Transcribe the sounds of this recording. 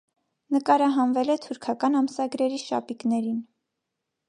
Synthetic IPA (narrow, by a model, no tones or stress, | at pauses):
nəkɑɾɑɦɑnvɛlɛt̪ʰuɾkʰɑkɑnɑmsɑɡɾɛɾiʃɑ̰piknɛɾin